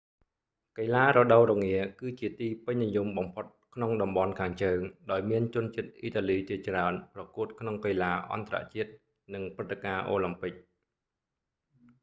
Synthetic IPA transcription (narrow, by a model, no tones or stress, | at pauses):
kəjlaːrɔɗəwrɔŋiəkɨːt͡ɕiət̪iːpɨɲnijumɓɑmpʰot̪̚kʰnoŋɗɑmɓɑnkʰaːŋt͡ɕəːŋɗaɔjmiənt͡ɕʊ̆ənt͡ɕiət̪̚ʔiːt̪aːliːt͡ɕiət͡ɕraənprɑkuət̪̚kʰnoŋkəlaːʔɑ̰nt̪ra̰ʔt͡ɕiət̪̚ | nɨŋprɨt̪ːekaːʔoːlampɨk̚